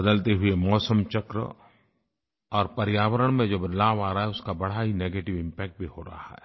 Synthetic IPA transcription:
bɐd̪əlt̪eɦʊemɔːsəmt͡ʃɐkɾə̰ | ɔːɾpɐɾɪjaːwəɾəɽ̃mẽd͡ʒobɾɪlaːʋaːɾaɦɛʊskabɐɽ̤aɦineːɡeːʈɪʋɪ̃mpɛːk̚ʈ̚bʱihoɾɐ̰ɦa̰ɦɛ̰ː

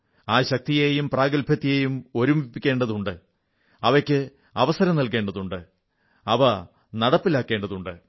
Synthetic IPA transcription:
aːɕɐk̚t̪ijejumpraːɡɐlpɐt̪ːijejumo̞ɾumipːikʲːe̞ːɳɖɐðuɳɖɨ | ɐʋɐkʲːɨ | ɐʋɐsɐɾɐmnɐlke̞ːɳɖɐðuɳɖɨ | ɐʋɐ | nɐɽɐpːilaːkːe̞ːɳɖɐðuɳɖɨ

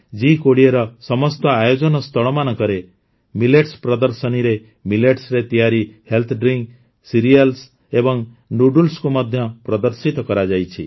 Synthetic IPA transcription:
d͡ʒikoɽieɾɔsɔmɔst̪ɔajod͡ʒɔnɔst̪ʰɔɭɔmanɔkɔɾe | mileʈspɾɔd̪ɔɾsɔniɾe | mileʈsɾet̪ijaɾihelt̪ʰɖɾiŋk | siɾijals | ebɔŋ | nuɖulskumɔd̪ʱjɔpɾɔd̪ɔɾsit̪ɔkɔɾad͡ʒajt͡ʃʰi

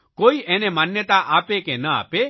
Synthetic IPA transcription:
koːiʔɛːnemanjət̪aʔaːpekenəa̰ːpe

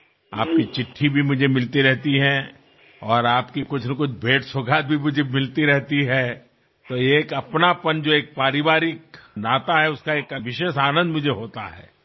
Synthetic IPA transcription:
a̰ːp̚kit͡ʃɪʈʰːibʱimʊd͡ʒʱemɪlt̪iɾɛɦt̪iɦɛ̃ | ɔːɾaːpkikʊt͡ʃʰnɐkʊt͡ʃʰbʱeːʈsoɡʱaːt̪̚bʱimʊd͡ʒʱemɪlt̪iɾɛɦt̪iɦɛː | t̪oeːkɐpnapɐnd͡ʒoeːk̚paːɾɪʋaːɾɪk̚naːt̪aɦɛʊskaeːkɐʋɪʃeːʃaːnə̃nd̪mʊd͡ʒʱeɦoːt̪a̰ɦɛ̰ː

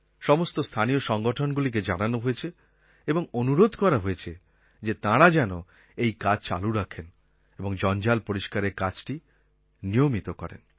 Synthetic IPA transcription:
ʃɔmost̪ost̪ʰanijoʃɔŋɡoʈʰonɡulik̬ed͡ʑananoɦoet͡ɕʰe | eboŋonuɾod̪ʱkɔɾaɦoet͡ɕʰe | d͡ʑet̪ãɾad͡ʑɛno | ejkad͡ʑt͡ɕa̰luɾakʰen | eboŋd͡ʑɔnd͡ʑalpoɾiʃkaɾeɾkad͡ʑʈi | nijomit̪okɔ̰ɾḛn

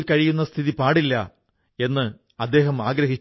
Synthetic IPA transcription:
lkɐɻijunːɐst̪ʰiðipaːɽilːɐ | e̞nːɨ | ɐd̪ːe̞ːɦɐmaːɡɾɐɦit͡ɕː

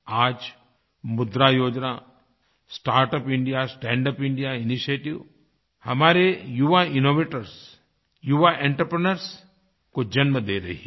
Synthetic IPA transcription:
aːd͡ʒ | mʊd̪ɾajoːd͡ʒna | sʈaːɾʈəpɪ̃ɳɖijasʈɛ̃ːɳɖəpɪ̃ɳɖijaɪniʃeːʈiʋ | hɐmaːɾejuʋaɪnoːʋeːʈəɾs | juʋaʔẽɳʈɾəpɾənəɾs | kod͡ʒɐnməd̪eːɾɐ̰ɦi

